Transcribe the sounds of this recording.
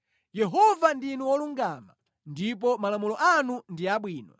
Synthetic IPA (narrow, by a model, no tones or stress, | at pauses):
jɛɦɔvandinuwɔluŋɡama | ndip̬ɔmalamulɔʔanundiaɓwiːnɔ̰